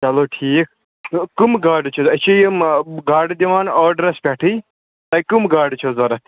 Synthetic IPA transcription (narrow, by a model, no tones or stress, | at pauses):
t͡ʃɐloːʈʰiːk̚ʰ | kumɡaːɾɖt͡ʃʰuɐt͡ʃʰijimɡaːɾɖd̪iʋaːnɔːɖɾɐspʲaʈʰɨj | t̪ɐjkumɡaːɾɖt͡ʃʰozɐɾɐ